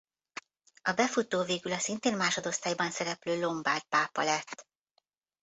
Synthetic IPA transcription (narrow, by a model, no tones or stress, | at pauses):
ɒbɛfut̪oːveːɡylɒsint̪eːnmaːʃod̪o̞st̪aːjbɒnsɛɾɛpløːlo̞mbaːrt̪̚paːpɒlɛt̪ː